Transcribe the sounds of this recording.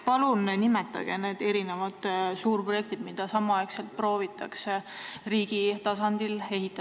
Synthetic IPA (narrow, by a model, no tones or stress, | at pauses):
pɑlunnimet̪ːˑɑ̰ɡ̥e̞̰ne̞ːd̪̥e̞ɾinevɑd̪̥suːrpro̞je̞kt̪id̪̥mid̪̥ɑsɑmɑɑekselt̪̚pro̞ːvit̪ːˑɑkseriːɡ̥it̪ɑsɑnd̪̥ile̞ɦit̪ːˑɑ